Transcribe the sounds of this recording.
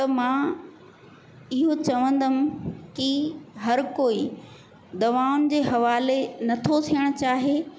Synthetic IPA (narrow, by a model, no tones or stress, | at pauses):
t̪ɐmã | ɪɦot͡ɕɐʋə̃nd̪əmɪ̆kɪɦɐɾkoːi | d̪ɐʋaːʊnɪ̆d͡ʑeːɦɐʋaːlenɐt̪ʰot̪ʰijəɽ̃ʊ̆t͡ɕaːɦe